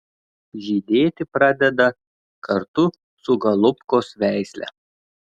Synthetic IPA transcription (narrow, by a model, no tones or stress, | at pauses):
ʒʲiːd̪ʲeːt̪ʲɪpɾɑd̪ʲɛd̪ɐ | kʰɐɾt̪ʊ | sʊɡɐlˠʊpkoːsʋʲæˑɪsʲlʲɛ̰